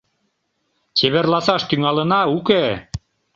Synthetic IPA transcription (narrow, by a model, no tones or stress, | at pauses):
t͡ɕeβerlɑsɑʃt̪yŋɑlə̆nɑuke